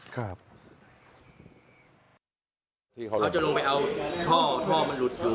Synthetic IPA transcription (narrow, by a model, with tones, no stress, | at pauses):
kʰa˥˩p̚ | ŋt̪ʰiː˧kʰa˦ɾa˧˥˩wt͡ɕa˨lo˧ŋpa˧jʔa˧wt̪ʰɔː˥˩t̪ʰɔː˥˩ma˧˨nlu˨˦˥t̪̚juː˨˩